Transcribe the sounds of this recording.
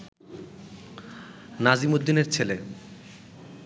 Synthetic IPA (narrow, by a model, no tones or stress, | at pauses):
nad͡ʑimod̪ːineɾt͡ɕʰele